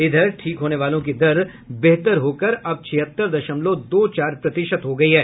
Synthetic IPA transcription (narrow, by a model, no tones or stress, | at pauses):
ɪd̪ʱəɾʈʰiːkɦoːneʋaːlõkid̪ɐɾ | bɛɦt̪əɾɦoːkəɾɐb̚t͡ʃʰɪɦət̪ːəɾd̪ɐʃəmlod̪oːt͡ʃaːɾpɾɐt̪ɪʃət̪ɦoɡɐiɦɛː